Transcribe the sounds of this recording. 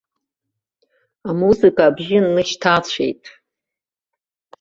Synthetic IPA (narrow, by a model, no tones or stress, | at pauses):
amuzɨkʰʼaːbʒɪnːɨʃtʰat͡ɕʷʰe̞̰jtʼ